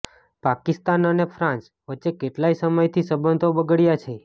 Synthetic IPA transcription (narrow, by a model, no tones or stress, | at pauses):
pakist̪anənefʰɾãns | ʋəːʃekeʈlajsəməjt̪ʰisəbənd̪obəɡəɽjat͡ʃʰe